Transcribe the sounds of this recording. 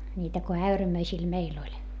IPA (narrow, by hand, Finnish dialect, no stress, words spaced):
nʲiːtæ ko æyræmøisil meil olʲ